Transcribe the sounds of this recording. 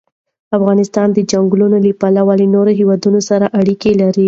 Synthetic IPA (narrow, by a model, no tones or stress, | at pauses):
afɣɑnɪst̪ɑnd̪əd͡ʒaŋɡlunolipalawalinoɾoɦewɑd̪unosaɾaʔaɽikelaɾi